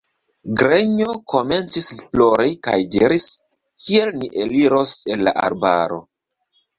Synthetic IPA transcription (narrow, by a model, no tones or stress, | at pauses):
ɡɾe̞ɲo̞ko̞me̞nt͡sisiploɾeka̰jdiɾis | kʰie̞lniʔeliɾo̞se̞nla̰ʔa̰ɾba̰ɾo̞̰